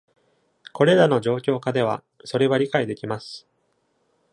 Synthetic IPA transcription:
ko̞ɾe̞ɾano̞ʑo̞ːkʲo̞ːkad̪e̞β̞a̰ | so̞ɾe̞βaɾʲikaid̪e̞kʲimasɨ̥

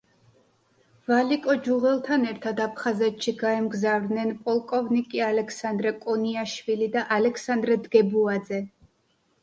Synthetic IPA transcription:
valikʼɔd͡ʒuʁɛlˠt̪ʰanɛɾt̪ʰad̪apʰχazɛt̪ʃiɡaɛmɡzavɾd̪nɛnpʼɔlˠkʼɔvnikʼialɛkʰsand̪ɾɛkʼɔniaʃvilid̪aʔalɛkʰsand̪ɾɛd̪ɡɛbuad̪zɛ

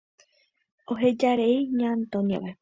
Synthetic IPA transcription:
oɦed͡ʒaɾeiɲãnt̪õnia̰ʋa

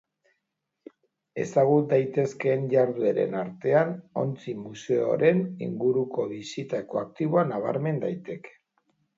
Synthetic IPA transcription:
e̞̰saɣ̞ut̪̚d̪ajt̪e̞ske̞nʎaɾðueɾe̞̰naɾt̪e̞ano̞̰nt͡simuse̞o̞̰ɾe̞nḭŋɡuɾuko̞βisit̪ako̞ak̚t̪iβ̞oanaβ̞a̰ɾme̞nd̪ajt̪e̞ke̥

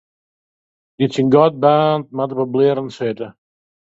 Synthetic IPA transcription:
disinɡɔt̚baːnt̚matəbəblɪːɾənsetə

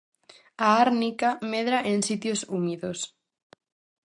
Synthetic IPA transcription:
aaɾnikameðɾaʔensit̪josumiðos

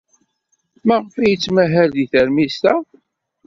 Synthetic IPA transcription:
mæʁfæjət͡sːmæɦæld̪iθəɾmist̪æ

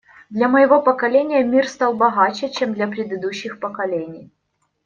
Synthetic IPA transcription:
d̪lʲɐməjɪvo̞pɐkɐlʲenʲɪjəmʲirst̪ɑlˠbɐɣat͡ɕɪt͡ɕemd̪lʲɐpɾʲɪd̪ɨd̪uɕːɪxpɐkɐlʲenʲɪj

